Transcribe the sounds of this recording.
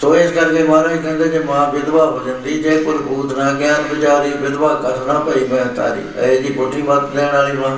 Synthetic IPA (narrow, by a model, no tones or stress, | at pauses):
soːɪskəɾkeːmãːɾaːiːkɛ̃ːnd̪eːd͡ʒeːmãːʋɪd̪ʋaːɦoːd͡ʒ̪ənd̪iːd͡ʒeːkʊɾkuːt̪nãːkɪãːt̪bʊd͡ʒaːɾiːʋɪd̪baːkət̪ʰnãːpəiːmɛ̃t̪a̰ːɾḭːeːd͡ʒiːboʈːiːmət̪d̪ɛ̃ːɽ̃aːliːmãː